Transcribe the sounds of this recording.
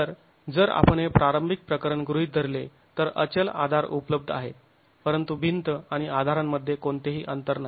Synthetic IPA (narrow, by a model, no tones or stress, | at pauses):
əɾ | d͡zəɾa̰pəɳepɾaɾəmbʱik̚pɾəkəɾəɳɡɾuɦit̪d̪ʱəɾle | t̪əɾə̰t͡ɕəla̰d̪ʱaɾupləb̚d̪ʱa̰ɦḛt̪̚ | pəɾənt̪ubʱint̪əaɽ̃iad̪ʱaɾamːəd̪ʱːjekoɳt̪eɦiːʔənt̪əɾna